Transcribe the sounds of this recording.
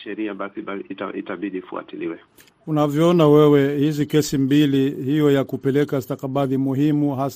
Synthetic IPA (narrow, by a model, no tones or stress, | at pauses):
ʃɛɾiabasiɓataʔḭtaɓiɗifṵa̰tiliwɛ | unavjɔɔnawɛwɛhizikɛsimbilihijɔjakupɛlɛkastakaɓaðimuɦimuɦas